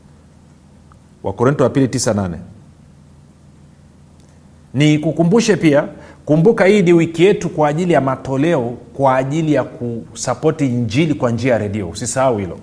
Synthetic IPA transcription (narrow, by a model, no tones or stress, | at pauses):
wa̰kɔɾɛntɔwapilitisananɛ̰ | nikukumbuʃɛpiakumbukahiːniwikijɛtukwaːʄilijamatɔlɛɔkwaːʄilijakusapɔtiɲd͡ʒilikwand͡ʒiajaɾɛɗiɔsisaauhilɔ̰